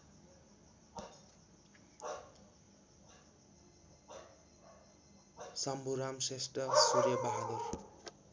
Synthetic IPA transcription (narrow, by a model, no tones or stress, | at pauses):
sʌmbuɾamsesʈʌsuɾjʌbaɦaner